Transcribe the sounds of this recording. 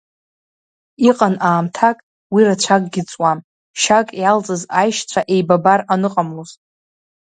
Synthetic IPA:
iqʼanaːmtʰakʼ | wirat͡ɕʷʰakʼɡʲɪt͡sʼwam | ʃakʼjalt͡sʼɨzajʃt͡ɕʷʰaʔe̞jbabaranɨqʼamlozʼ

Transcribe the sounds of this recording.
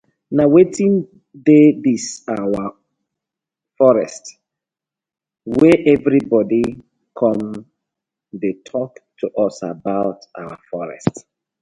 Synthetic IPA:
nawetĩn | dedisawa | fɔɹɛst | wɛʔɛvɹibɔdi | kʰɔ̃m | detʰɔktʰuʔɔsa̰baʊta̰wafɔɹɛ̰st

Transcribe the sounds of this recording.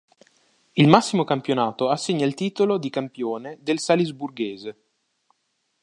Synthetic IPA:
ilmasːimokampjonaːt̪oasːeɲːailt̪iːt̪olod̪ikampjoːned̪elsalizburɡeːze

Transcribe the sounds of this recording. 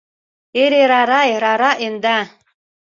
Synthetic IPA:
eɾeɾaɾajɾaɾaʔend̪a

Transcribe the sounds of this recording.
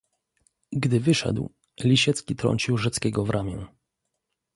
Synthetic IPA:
ɡd̪ɘvɘʂɛ̰d̪w | lʲiɕɛt̪skʲit̪ɾɔ̰ɲʲt͡ɕiwʐɛt̪skʲɛɡɔvɾʔamʲjɛ̃n

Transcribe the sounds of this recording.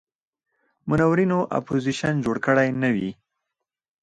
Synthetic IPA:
mʊnawɾinoʔa̰poziʃand͡ʒoɽkəɽajnawi

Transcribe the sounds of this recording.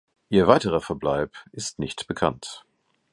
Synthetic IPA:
ʔiːɐvaɪtəʁɐfɛɐblaɪpʔɪstnɪçtb̥əkʰa̰nt

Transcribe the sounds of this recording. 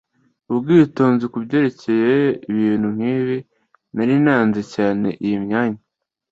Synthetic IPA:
ubɡiːtoːnzikubɟe̞ɾe̞ce̞jeiβiːnhum̥hiːβi | naɾinaːnzecaːne̞̰ʔijimɲaːɲa

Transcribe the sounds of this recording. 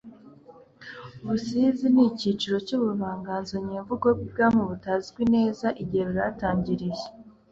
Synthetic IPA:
uβusiziniciːt͡ʃiɾo̞cuːβuβaːŋɡaːnzoɲiːɱvuɡobɡib̚ɡaːmuβutaːziɡwine̞ːzaʔiɟiheβiɾataːɲɟiɾije

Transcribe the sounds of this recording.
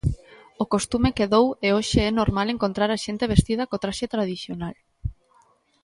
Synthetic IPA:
okost̪umekeðoweoʃeɛnoɾmaleŋkont̪ɾaɾaʃent̪eβ̞est̪ið̞ɐkot̪ɾaʃet̪ɾaðiθjonal

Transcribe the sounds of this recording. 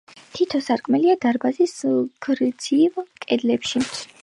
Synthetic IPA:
t̪ʰit̪ʰɔsaɾkʼmɛliad̪aɾbazisɡ̥ɾd̪z̥ivkʼɛd̪lɛpʃi

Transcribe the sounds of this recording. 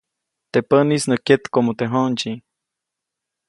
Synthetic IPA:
t̪epənisnəkjet̪komot̪eɦont͡ʃi

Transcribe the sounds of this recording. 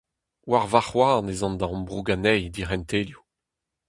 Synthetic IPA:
waʁvaχwaɑ̃nezɔ̃nd̪aɔ̃mbʁuɡanɛjd̪iʁɛntelju

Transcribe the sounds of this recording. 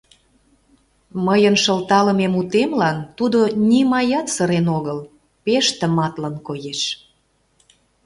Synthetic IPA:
məjənʃəlt̪ɑlə̆memut̪emlɑnt̪ud̪onʲimɑjɑt̪səɾenoɣəl | peʃt̪ə̆mɑt̪lənkojeʃ

